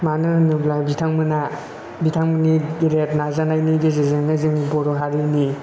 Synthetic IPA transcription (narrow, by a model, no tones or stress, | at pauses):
manɯnɯblabitʰaŋmɯna | bitʰaŋmɯniɡiɾet̚nazanajniɡezezeŋnɯziŋbɔɾɔɦaɾini